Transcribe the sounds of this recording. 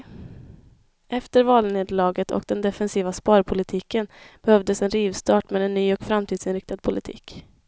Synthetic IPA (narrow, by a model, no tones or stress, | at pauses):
ɛft̪əɾvɑːlneːd̪lɑːɡət̪ʰɔ̰kd̪ɛnd̪ɛfɛnsiːvaspɑːɾpʰʊlɪt̪ʰiːkənb̥ɛhœvd̪əsɛnɾiːvst̪ɑːʈmeːd̪ɛnːyːɔkfɾamt̪ʰiːd̪sɪnɾɪk̚t̪ad̪̚pʰʊlɪt̪ʰḭːk